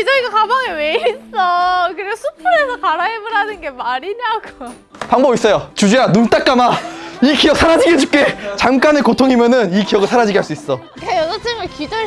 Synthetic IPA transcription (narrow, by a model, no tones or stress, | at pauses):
id͡ʑʌiɡakabaŋeweis͈ʌkɯɾeɡosʰupʰuɾesʰʌkaɾaebɯɾɦanɯnɡe̞maɾiɲaɡ̥o | paŋbʌbis͈ʌjot͡ɕud͡ʑujanumt͈ak͈amaikijʌk̚sʰaɾad͡ʑiɡed͡ʑup̚k͈et͡ɕamk͈anɯɭkotʰoŋɦimjʌnɯnikijʌɡɯɭsʰaɾad͡ʑiɡɦaɭs͈uis͈ʌ | kajʌd͡ʑʌt͡ɕ͈ɯŋɯɭkid͡ʑʌ